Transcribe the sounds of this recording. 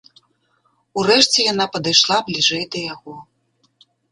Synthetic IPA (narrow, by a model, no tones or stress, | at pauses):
urɛʂt͡sʲɛjan̪apɐd̪ajʂlˠablʲiʐɛjd̪ɐjaɣɔ